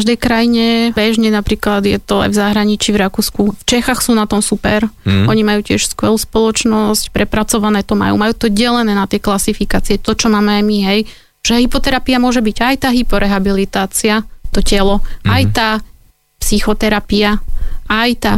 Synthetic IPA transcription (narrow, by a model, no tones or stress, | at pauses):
ʒd̪ɛjkɾajiɲɛbɛʒɲɛnapɾiːklad̪jɛt̪ɔa̰jvzaɦɾaɲit͡ʃiːvɾakuːskuft͡ʃɛxaxsuːnat̪ɔmsupɛɾʔɔɲimajuːcɪɛʃskʋɛluːspɔlɔt͡ʃnɔscpɾɛpɾat͡sɔʋanɛːt̪ɔma̰jṵːmajuːt̪ɔɟɛlɛnɛːnat̪ɪɛklasifikaːt͡siɛt̪ɔt͡ʃɔmaːmɛajmiɦɛj | ʒ̥ɛɦipɔt̪ɛɾapiamʊɔʒɛbiɟajt̪aːɦipɔɾʔɛɦabilit̪aːt͡siat̪ɔcɛlɔajt̪aː | psixɔt̪ɛɾapiaajt̪aː